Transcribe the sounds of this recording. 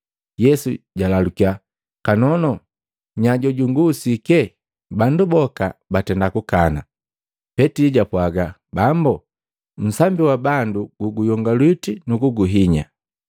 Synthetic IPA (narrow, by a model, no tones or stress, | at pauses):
jɛsuɟalalukia | kanɔnɔ | ɲaɟɔɟuŋɡuːsikɛ | bandubɔkabatɛndakukana | pɛtiɟapwaɡa | bambu | m̩sambiwabanduɡ̥uɡujɔŋɡalwitinukuɡuɦiɲa̰